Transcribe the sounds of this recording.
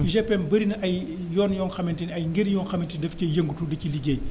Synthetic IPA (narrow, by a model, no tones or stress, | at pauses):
ʒɛpːɛnbɐɾinɐʔɐj | jɔːnjɔːnxɐmɛntinɐjŋɡiɾjɔːnxɐmintidɐfcɐjɐŋɡutudɐciliɡeːɲ